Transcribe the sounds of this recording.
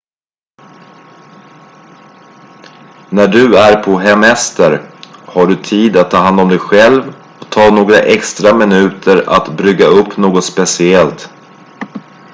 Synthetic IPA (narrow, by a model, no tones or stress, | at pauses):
næɖɵæɾpʰɔɦɛmɛst̪əɾhaɖɵt̪ʰiːd̪at̪ʰːɑːɦand̪ɔmd̪ɛjɧɛlv | ɔt̪ʰɑːnoːɡɾaʔɛkst̪ɾamɪnʉ̟ːt̪ʰəɾa̰t̪bɾʏɡaɵpːnoːɡɔt̪spɛsɪɛlt̪